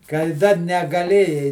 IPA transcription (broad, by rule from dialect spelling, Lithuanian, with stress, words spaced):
kɐɪ ˈdɐr nʲɛɡɐˈlʲeːjɛɪ